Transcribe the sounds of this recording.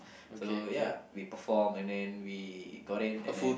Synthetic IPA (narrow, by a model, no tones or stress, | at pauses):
sojawipəfɔmɛ̃ndɛ̃nwiɡoɾɪnfu